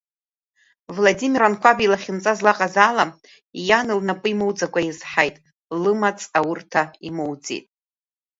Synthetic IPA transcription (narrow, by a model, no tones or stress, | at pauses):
vladimirankʷʰabilaχʲɪmt͡sʼazlaqʼazaːlam | janɨlnapʼɨimowd͡zakʷʼajizħajtʼ | lɨmat͡sʰʼawʊrtʰaimowd͡zḭtʼ